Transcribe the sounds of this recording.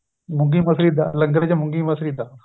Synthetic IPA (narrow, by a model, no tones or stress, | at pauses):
mʊ̃ɡimɐsɾid̪a̰lɐ̃ŋɡɾed͡ʑamʊ̃ŋɡĩmɐsɾid̪aː